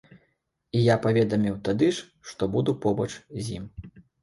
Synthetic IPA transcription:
ijapavʲɛd̪ɐmʲiwt̪ad̪ɨʂ | ʂt̪ɔbud̪upɔbɐt͡ʂzʲjḭm

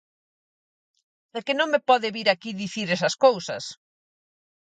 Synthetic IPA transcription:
ekɪnõŋmepɔðɪβiɾakiðiθiɾɛsɐskowsɐ̰s

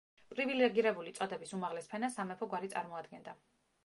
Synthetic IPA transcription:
pʼɾivilɛɡiɾɛbulit̪sʼɔd̪ɛbisumaʁlɛspʰɛnasamɛpʰɔɡwaɾit̪sʼa̰ɾmɔad̪ɡɛnd̪a

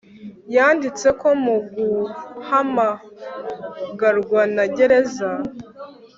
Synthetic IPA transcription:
jaːndit͡se̞ko̞muɡuhama | ɡaɾɡwanaɟe̞ɾe̞za

